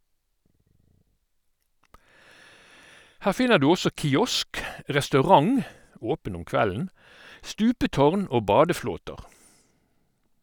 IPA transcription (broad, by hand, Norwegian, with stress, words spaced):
ˈhæːʁ ˈfɪnəʁ ˈdʉː ˈɔsɔ kɪˈɔsk ʁɛstɑʉˈʁɑŋ ˈoːpən ˈʊm ˈkʋæln̩ ˈstʉːpəˌtɔʁn ˈoː ˈbɑːdəˌfloːtəʁ